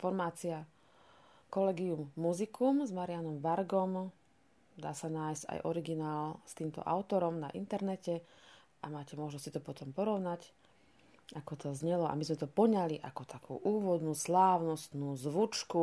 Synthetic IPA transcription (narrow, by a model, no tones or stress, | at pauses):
fɔɾmaːt͡sia | kɔlɛɡiumːuzikʰumzmaɾianɔmʋaɾɡɔm | d̪a̰ːsanaːjsca̰jʔɔɾiɡinaːlst̪iːmt̪ɔ̰ʔa̰ʊt̪ɔɾɔmnaʔḭnt̪ɛɾnɛcɛ | ʔamaːcɛmɔʒnɔst͡ɕit̪ɔpɔt̪ɔmpɔɾɔʊnac | akɔt̪ʰɔzɲɛlɔʔa̰mizmɛt̪ɔpɔɲaliʔakɔt̪ʰakʰṵːʔuːʋɔd̪nuːslaːʋnɔst̪nuːzʋut͡ʃku